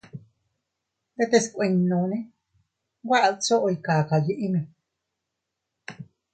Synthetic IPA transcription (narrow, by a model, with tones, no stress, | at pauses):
d̪e˦˧t̪e˧skʷwe˧ɲnõ˧˨nẽ˦ | wa˦ʔt͡so˦ʔo˧jka˨ka˨ji˧˦ʔi˦nũ˧